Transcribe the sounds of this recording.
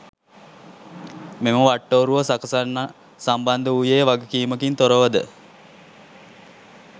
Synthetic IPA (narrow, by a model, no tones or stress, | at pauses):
meməʋaʈːoːɾuʋəsakɐsanː | samband̪əujejəʋaɡəkiːməkint̪oɾəʋəd̪ə̰